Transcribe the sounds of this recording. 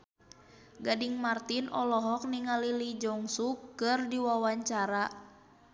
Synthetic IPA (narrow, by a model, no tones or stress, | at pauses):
ɡadiŋmart̪inʔɔlɔɦɔk̚niŋalilid͡ʒɔŋsukɨrdiwawaɲt͡ʃaɾa